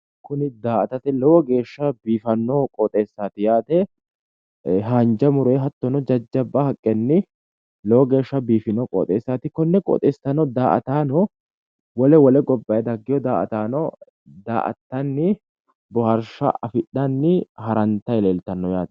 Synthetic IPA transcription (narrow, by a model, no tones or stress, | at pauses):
kʊnɪd̪aːʔɐt̪ɐt̪ɛlɔwɔɡe̞ːʃːɐbiːfɐnːoːkʼɔːt̪ʼe̞ːsːaːt̪ɪjaːt̪ɛ | ɦaːnd͡ʒɐmʊɾeːɦɐt̪ːɔnɔd͡ʒɐd͡ʒːɐbːɐhɐkʼːɛnːɪ | lɔwɔɡe̞ːʃːɐbiːfɪnɔːkʼɔ̰ːt̪ʼe̞ːsːaːt̪ɪkɔnːɛkʼɔ̰ːt̪ʼeːst̪ːɐnɔd̪aːʔɐt̪aːnɔ | wɔlɛwɔlɛɡɔbːɐjɛd̪ɐɡːɪjɔd̪aːʔɐ̰t̪aːnɔ | d̪a̰ːʔɐ̰t̪ːɐnːɪ | bɔhɐɾʃɐ̰ʔɐfɪɗːɐnːɪhɐɾɐnt̪ɐɪleːlt̪ɐnːɔjaːt̪ɛ